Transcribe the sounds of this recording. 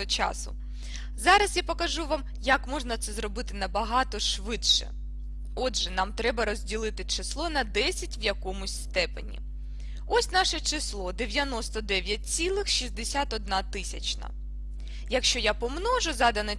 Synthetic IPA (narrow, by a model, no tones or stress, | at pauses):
ɔt͡ʃɑ̰sʊ̰ | zɑɾɐsjapɔkɐʒuʋɑm | jɐkmɔʐnɐt̪sɛzrɔbɪt̪ɪnɐbɐɦɑt̪ɔʃʋɪtʃɛ̰ | ɔdʒɛnɑmt̪ɾɛbɐɾɔzʲdʲilˠɪt̪ɪt͡ʃɪslˠɔnɐd̪ɛsʲɐtʲʋjɐkɔmʊsʲst̪ɛpḛnʲḭ | ɔsʲnɑʃɛt͡ʃɪslˠɔd̪eʋʲjɐnɔst̪ɔd̪ɛʋʲjɐt̚ʲt͡sʲilˠɪxʃizd̪esʲat̪ɔd̪̚nɑt̪ɪsʲɐt͡ʃnɐ̰ | jɐkʃt͡ʃɔjapɔmnɔʒʊzɑd̪ɐnɛ